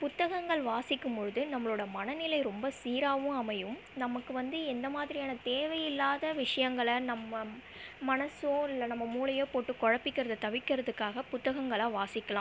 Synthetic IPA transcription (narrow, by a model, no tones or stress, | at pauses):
pʊt̪ːɐɣɐŋɡɐɭʋaːsɪkːɯmpɔɻɯðɯnɐmːɐɭoːɽɐmɐnɐnɪlɐɪɾɔmbɐsiːɾaːʋɯ̃mɐmɐjɯm | nɐmɐkːɯʋɐnd̪ɯɛnd̪ɐmaːðɪɾɪjaːnɐt̪eːʋɐjɪlːaːðɐʋɪʂɐjɐŋɡɐɭɐnɐmːɐ | mɐnɐsoɪlːɐnɐmːɐmuːɭɪjeːpoːʈːɯkːɔɻɐpːɪkːɪɾɐðɐt̪ɐʋɪkːɪɾɐðɯkːaːɣɐpʊt̪ːɐɣɐŋɡɐɭaːʋaːsɪkːɐlaː